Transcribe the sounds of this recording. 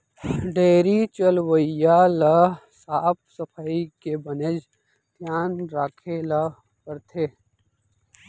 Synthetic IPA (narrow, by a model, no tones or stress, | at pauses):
ɖeːɾit͡ʃəlwəjaləsaːp̚səpʰaikebəned͡ʒ | d̪ʱjaːnɾaːkʰelɐ | kəɾt̪ʰeː